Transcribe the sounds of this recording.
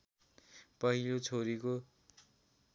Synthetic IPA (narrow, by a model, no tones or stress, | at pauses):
pʌɦilot͡sʰoɾiko